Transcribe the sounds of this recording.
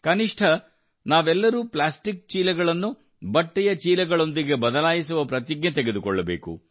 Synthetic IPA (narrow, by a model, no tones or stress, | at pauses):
kɐniʂʈʰɐ | naːʋɛlːɐɾuːplaːsʈik̚t͡ʃiːlɛɡɐɭɐnːu | bɐʈːɛjɐt͡ʃiːlɛɡɐɭo̞nd̪iɡe̞bɐd̪ɐlaːjisuʋɐpɾɐt̪̬iɡnet̪eɡe̞d̪ukɔɭːɐbeːkṵ